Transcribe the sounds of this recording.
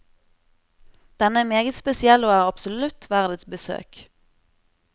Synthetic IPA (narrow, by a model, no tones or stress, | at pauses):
d̪̥ɛnəæmeːɡət̪spɛsɪɛlːəoːæːʁɑpsʊlʉt̪ʰʋæʁd̪ət̪sbəsø̰ːk